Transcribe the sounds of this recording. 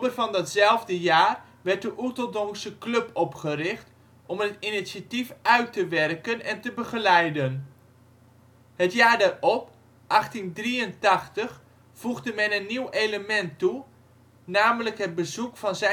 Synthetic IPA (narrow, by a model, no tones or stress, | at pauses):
bərvɑndɑtzɛlˠvdəjaːr | ʋɛɹt̚dəʔutəlˠdɔmsəklɵpɔpχərɪχt | ɔmətinisatifœɥtəʋɛrkənɛntəbəχəlɛjdən | hətjaːɹdarɔp | ʔɑχtindriəntɑχtəχ | fuɣdəmɛnənːiwejləmɛntːu | naːmələkɦəd̚bəzukfɑnzɛ